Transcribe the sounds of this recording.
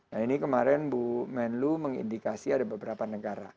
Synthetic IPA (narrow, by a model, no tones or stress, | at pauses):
nainikəmaɾɛnbumɛnluməŋḭndikasiadabəbəɾapanəɡaɾa̰